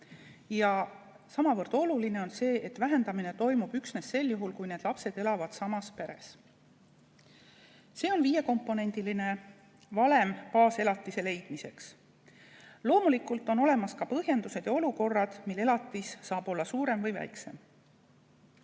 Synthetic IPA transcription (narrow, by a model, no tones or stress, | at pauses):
jɑ | sɑmɑvɤrd̪̥o̞luline̞o̞nse̞ːʔet̪væɦe̞nd̪̥ɑmine̞t̪o̞jmub̥yksne̞sse̞ljuɦulkujne̞ːd̪̥lɑpse̞d̪̥e̞lɑvɑd̪̥sɑmɑspe̞ɾe̞̰s | se̞ːo̞nviːje̞ko̞mpːˑo̞ne̞nʲd̪iline̞ | vɑle̞mpɑːse̞lɑt̪ːˑise̞le̞jd̪̥mise̞ks | lo̞ːmulikult̪ːˑo̞no̞le̞mɑskɑpɤɦje̞nd̪use̞d̪̥jɑo̞luko̞rːɑd̪̥milːe̞lɑt̪ːˑisːɑːb̥o̞lːɑsuːɾe̞mvɤjvæ̰jkse̞̰m